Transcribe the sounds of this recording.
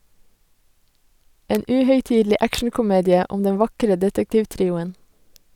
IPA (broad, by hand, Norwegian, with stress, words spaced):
ˈeːn ˈʉːhœʏˌtiːdl̩ˌiː ˈʔækʃɳ̩kʊˌmeːdɪə ˈʊm ˈdɛn ˈʋɑkɾə ˈdɛtəktɪʋˌtɾiːʊən